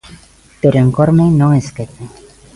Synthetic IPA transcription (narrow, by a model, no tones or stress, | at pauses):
t̪uɾeŋkoɾmenoesket̪e